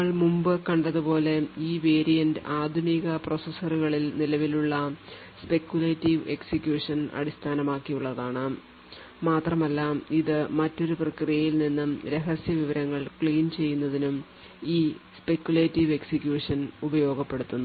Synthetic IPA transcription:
ɐɭmumbɨkɐɳɖɐðupo̞ːle̞iːʋe̞ːɾijɐndɨʔaːd̪ʱuniːɣɐprosɐsɐruɣɐɭilnilɐʋiluɭːɐ | spe̞kjuleːtːiʋe̞ksikjuːʂɐnɐ̰ɽist̪ʰaːnɐmaːkːijuɭːɐðaːɳɨ | maːt̪rɐmɐlːɐiðɨmɐtːo̞ɾuprɐkrijɐjilninːɨɾe̞ɦɐsjɐʋiʋɐɾɐŋːɐɭkɭiːnt͡ɕe̞jːunːɐðinum | iːspe̞kːjuleːtːiʋe̞ksikjuːʂɐnubɐjo̞ːɡɐpːe̞ɽut̪ːunː

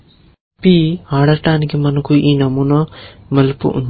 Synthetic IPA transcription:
piːaːɽɐʈaːnikimɐnɐkuʔiːnɐmunɐmɐlpṵʔṵn

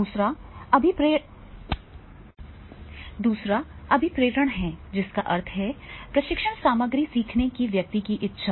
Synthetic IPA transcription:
uːsɾaɐbʱipɾeː | d̪uːsɾaɐbʱipɾeːɾəɽ̃ɦɛd͡ʒɪskaʔɐɾt̪ʰɦɛpɾɐʃɪkʃəɳsaːməɡɾisiːkʰnekiʋjɐk̚t̪ikiʔɪtːʃʰa

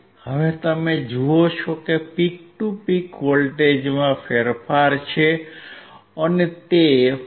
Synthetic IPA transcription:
həʋet̪əmed͡ʒuot͡ʃʰokepik̚ʈupikʋolʈed͡ʒmãfʰeɾfaɾt͡ʃʰe | ənet̪e

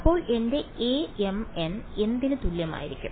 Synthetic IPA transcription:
ɐpːo̞ːɭe̞nde̞eːemene̞nd̪inɨt̪uljɐma̰ːjiɾikʲːṵm

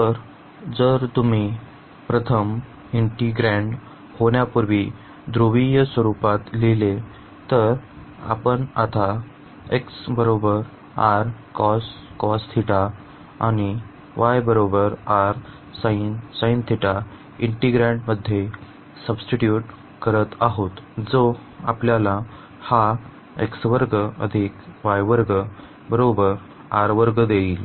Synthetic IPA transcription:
t̪əɾ | d͡zəɾt̪umi | pɾət̪ʰəm | iɳʈiɡɾẽɳɖ | hoɳjapuɾʋiː | d̪ɾoʋijəsʋəɾupat̪lile | t̪əɾ | a̰pəɳa̰t̪ʰa | eksbəɾobəɾ | aɾkɔskɔst̪ʰiʈa | a̰ñi | ʋajbəɾobəɾaɾ | sainsaint̪ʰiʈa | iɳʈiɡɾãɳʈməd̪ʱːje | səbsʈiʈjuʈ | kəɾət̪aɦot̪d͡zo | a̰pljala | ha | ḛksʋəɾɡəə̰d̪ʱikʋajʋəɾɡə | bəɾobəɾ | aɾʋəɾɡəd̪eiːl

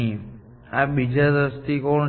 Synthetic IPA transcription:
ĩ | abid͡ʒadəst̪ikɔɳ

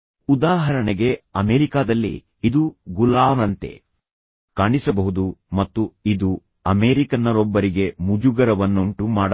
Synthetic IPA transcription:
ud̪aːɦɐɾɐɳeɡe̞ɐmeːɾikaːd̪ɐlːḭ | id̪uɡulaːnɐnt̪e̞̰ | kaːɳisɐbɐɦud̪umɐt̪ːuid̪u | ɐmeːɾikɐnːɐɾɔbːɐɾiɡe̞mud͡ʒuɡɐɾɐʋɐnːuɳʈumaːɽɐ

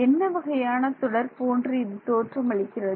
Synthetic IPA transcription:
ɛnːɐʋɐɣɐjaːnɐt̪ʊɽɐɾpoːɳɖriːðit̪oːʈrɐmɐɭɪkːɪrɐð

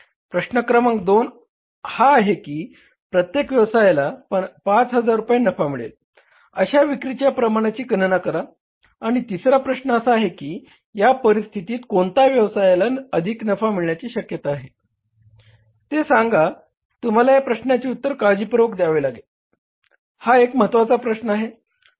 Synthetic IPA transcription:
pɾəɕnəkɾəməŋkd̪on | haːɦekiː | pɾət̪jekʋjəʋsajlapat͡sɦəd͡zaɾːupajenəfamiɭḛl | əɕaʋikɾit͡ɕjapɾəmaɽ̃at͡ɕiːkənənakəɾaː | ɽ̃it̪isɾapɾəɕnəəsaːɦekiː | japəɾist̪ʰit̪iːt̪kont̪aʋjəʋsajlaəd̪ʱiknəfamiɭɳjat͡ɕiːɕəkjət̪aːɦe | t̪esaŋɡa | t̪um̤alajapɾəɕnjat͡ɕiːut̪ːəɾkad͡ʑiːpɾʋəkd̪jaʋelaɡel | haekməɦət̪ʋat͡sapɾəɕnəaɦe

